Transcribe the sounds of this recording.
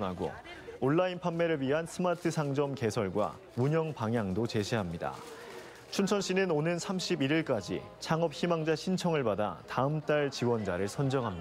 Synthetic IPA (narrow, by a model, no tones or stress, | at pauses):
aɡo̰ | oɭːainpʰanːe̞ɾɯɭɥiɦansʰɯmatʰɯsʰaŋd͡ʑʌmke̞sʰʌɭɡwa̰ | muɲʌŋpaŋjaŋdot͡ɕe̞ɕʰiɦamɲida̰ | t͡ɕʰunt͡ɕʰʌnɕ͈ʰinɯnonɯnsʰamɕ͈ʰibiɾiɭk͈ad͡ʑḭ | t͡ɕʰaŋʌp̚çimaŋd͡ʑaɕʰint͡ɕʰʌŋɯɭpada̰taɯmt͈aɭt͡ɕiwʌnd͡ʑaɾɯɭsʰʌnd͡ʑʌŋɦamɲ